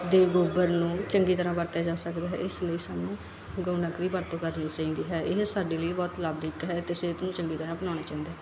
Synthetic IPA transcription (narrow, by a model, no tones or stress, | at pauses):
d̪eːɡoːbəɾnũːt͡ʃəŋɡiːt̪əɾãːpəɾt̪aːd͡ʒaːsəkd̪eːɦɛ̰ːɪsləiːsaːnũː | ɡoːnakɾiːbəɾt̪õːkəɾniːt͡ʃaːĩːnd̪iːɦɛːʔɪɦsaːɖeːləiːbɔːt̪labd̪iːkɦɛːt̪ɪseːt̪nũːt͡ʃəŋɡiːt̪əɾãːbənãːnaːt͡ʃaːĩːd̪aː